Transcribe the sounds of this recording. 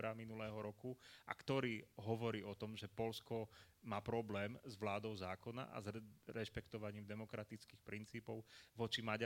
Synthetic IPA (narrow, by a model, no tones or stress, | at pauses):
ɾaminulɛːɦɔɾɔkuʔa̰kt̪ɔɾiːɦɔʋɔɾiːɔt̪ɔmʒɛpɔlskɔ | maːpɾɔblɛːmzʋlaːd̪ɔʊzaːkɔna̰ʔa̰zɾɛʃpɛkt̪ɔʋaɲiːmd̪ɛmɔkɾat̪it͡skiːxpɾint͡siːpɔʊʋɔt͡ʃimaɟ